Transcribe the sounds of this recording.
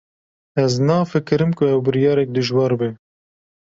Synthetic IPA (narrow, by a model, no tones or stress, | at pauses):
ɛznɑːfɨkɨɾɨmkʰʊɛwbɨɾijɑːɾɛk̚d̪ɨʒwɑːɾbɨ